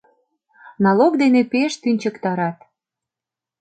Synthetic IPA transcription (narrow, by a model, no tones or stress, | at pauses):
nɑlokd̪enepeʃt̪ynʲt͡ɕəkt̪ɑɾɑt̪